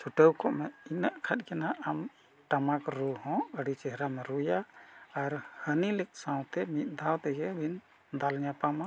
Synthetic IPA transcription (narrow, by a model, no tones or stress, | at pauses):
t͡ʃʰuʈəwkʰɔʔmɛinaʔkʰat̪̚kɛnaʔam | ʈamakɾuhɔ̃əɽit͡ʃɛɦɾamɛɾujaː | ɾhənilik̚sãw̃t̪ɛmit̪̚ˀd̪ʱawt̪ɛɡɛbʱin | d̪alɲapama